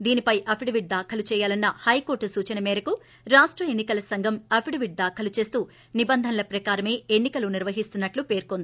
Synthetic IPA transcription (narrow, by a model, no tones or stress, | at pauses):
d̪iːnipɐjʔɐpʰiɖɐʋiɖ̚d̪aːkʰɐlut͡ʃɛːjaːlɐnːɐhɐjko̞ːɾʈusuːt͡ʃɐnɐmɛːɾɐku | ɾaːʂʈɾɐe̞nːikɐlɐsɐŋɡʱɐmɐpʰiɖɐʋiɖ̚d̪aːkʰɐlut͡ʃe̞ːst̪uː | nibɐnd̪ʱɐnɐlɐpɾɐkaːɾɐme̞ːenːikɐluniɾʋɐɦist̪unːɐʈlupe̞ːɾkond̪ii